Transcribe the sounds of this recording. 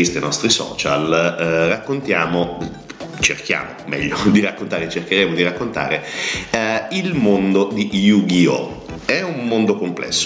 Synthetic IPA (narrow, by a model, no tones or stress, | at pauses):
ist̪enɔst̪ɾisɔ̰ːt͡ʃa̰lrakːont̪jaːmo | t͡ʃerk̟ja̰ːmo̰mɛ̰ʎːod̪irakːont̪aːɾet͡ʃerk̟eɾeːmod̪iɾakːont̪a̰ːɾe | ilmond̪od̪ijuɡio̰ɛummond̪okomplɛ̰sːo̥